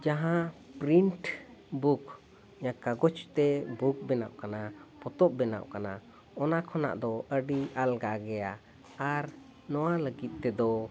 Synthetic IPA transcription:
d͡ʒaɦãpɾiɳʈbuk | jãkaɡɔt͡ʃt̪ɛbuk̚bɛnaʔkanapɔt̪ɔp̚bɛna̰ʔkana | ɔnakʰɔna̰ʔd̪ɔʔəɖiʔalɡaɡɛjaː | ɾ | nɔwaləɡit̪̚t̪ɛd̪ɔ

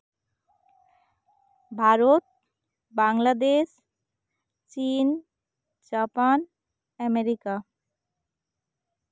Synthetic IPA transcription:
bʱaɾot̪̚ | baŋlad̪eʃ | t͡ɕin | d͡ʑapan | ɛmeɾika

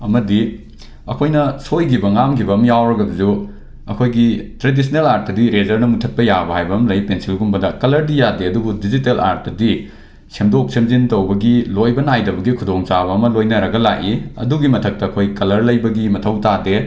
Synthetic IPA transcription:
ɐmɐdi | ɐ̰kʰojnɐsojɡibɐŋamkʰibɐmjawɾɐɡɐbɐzu | ɐkʰojɡitɾedis̬ʰnelaɾt̚dɐdiɾezɐɾnɐmutʰɐt̚pɐjabɐhajbɐmlɐjpensilɡumbɐdɐkɐlɐɾdijadeɐduɡudizitela̰ɾt̚dɐdi | semdok̚simzintɐwbɐɡilojbɐnajdɐbɐɡikʰudoŋt͡ʃabɐːmɐlojnɐɾɐɡɐlaʔiɐ̰duɡimɐtʰɐk̚tɐːkʰojkɐlɐɾlɐjbɐɡimɐtʰɐwtade

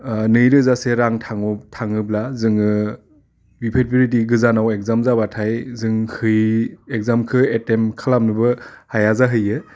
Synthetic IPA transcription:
nɯjɾɯzaseɾaŋtʰaŋutʰaŋɯblazɯŋɯ | bipʰet̚biɾitiɡɯzanawek̚zamzabatʰajzɯŋhɯjek̚zamkʰɯetemkʰalam̚nɯbɯhajazaɦɯjɯ

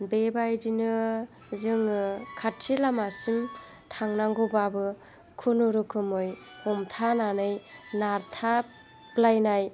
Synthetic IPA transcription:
bebajdinɯ | zɯŋkʰatsilamasim | tʰaŋnaŋɡobabɯ | kʰunuɾukʰɯmɯj | hɔmtʰananɯjnaɾtʰa | plajnaj

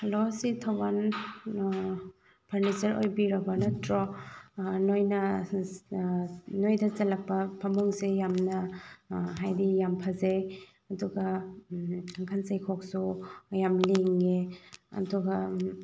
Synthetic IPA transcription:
hɐlositʰawban | pʰɐɾnit͡ʃɐɾo̰jbiɾɐbɐnɐtɾɔ | nojnɐ | nojdɐzɐlɐk̚pɐpʰɐmuŋsejamnɐ | ɦajdijampʰaze | ɐduɡɐ | aŋkʰansajkʰɔk̚sujamleŋeɐ̰duɡɐ

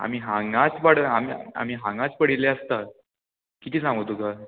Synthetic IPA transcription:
a̰miːɦãŋɡat͡spaɽamia̰m̤iːɦãŋɡat͡spəɽileəst̪a | kit̪iːsãŋɡət̪uka

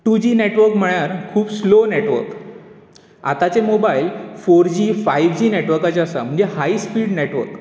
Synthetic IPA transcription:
ʈud͡ʑiːneʈʋəɾkm̤əɭjaɾkʰuːpsloneʈʋə̰ɾk | a̰t̪at͡semobailfoɾd͡ʑiːfaiʋd͡ʑiːneʈʋəɾkat͡seasam̤əɳd͡zehaispiːɽneʈʋə̰ɾk

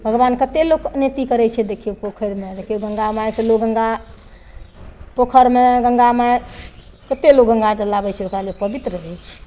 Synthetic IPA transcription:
bʱəɡbankət̪eloknet̪ikəɾɛjt͡ʃʰɛd̪ekʰiopokʰəɾmed̪ekʰijoɡəŋɡamajseloɡəŋɡa | pokʰəɾmeɡəŋɡamae | kət̪elok̚ɡəŋɡad͡ʒəlabɛt͡ʃʰɛokɾalepəbit̪ɾəɦɛt͡ʃʰ

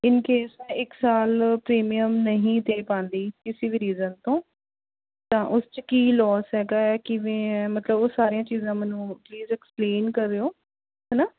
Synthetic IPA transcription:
ɪnkeːsmɛ̃ːɪksaːlpɾeːmijəmnəɦĩːd̪eːpãːnd̪iːkɪsiːbiːɾiːzənt̪õː | t̪ãːʔʊst͡ʃəkiːlɔːsɦɛːɡaːɛːkɪʋɛ̃ːmət̪ləbosaːɾijãːt͡ʃiːzãːmɛːnũːpliːzɛːkspleːnkəɾːeːoː | ɦɛnaː

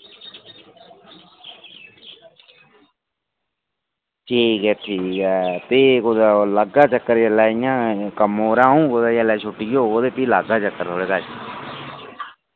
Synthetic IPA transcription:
ʈʰiːkɛːʈʰiːkɛːt̪eːkod̪ləɡaːt͡ʃəkːəɾjəlaːɪjãːkəmoːɾãːũːkod̪aːjəlaːt͡ʃʰʊʈːiːɡjoːoːd̪eːpiːlaɡaːt͡ʃəkːəɾt̪ʰoːɽeːkaːt͡ʃː

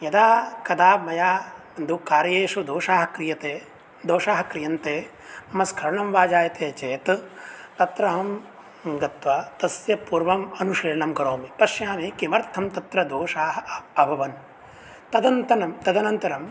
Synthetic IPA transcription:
jɐd̪aːkɐd̪aːmɐjaː | nd̪ukaːɾɐjeːʂud̪oːʂaːɦɐkɾijɐt̪eː | d̪oːʃaːɦɐkɾijɐnt̪eː | mɐskʰɐɾɐɳɐmʋaːd͡ʒaːjɐt̪eːt͡ʃeːt̪t̪ɐt̪ɾɐɦɐm | ɡɐt̪ʋɐt̪ɐsjɐpuːɾʋɐmɐnuʂiːɾɐɳɐmɡɐɾoːmipɐʃjaːmikimɐɾt̪ʰɐmt̪ɐt̪ɾɐd̪oːʂaːɦɐɐbʱɐʋɐn | t̪ɐd̪ɐnt̪ɐnɐmt̪ɐd̪ɐnɐnt̪ɐɾɐm

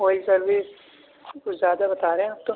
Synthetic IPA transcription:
ɦoːisɐɾʋeːs | kozjaːd̪abɐt̪aːɾeɦɛ̃aːp̚t̪o

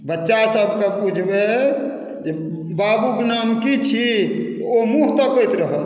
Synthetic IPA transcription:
bətːʃasəbʱkepud͡ʒʱbe | d͡ʒe | babuknamkit͡ʃʰit̪ɔomuɦt̪ɔkəjt̪ɾəɦət̪

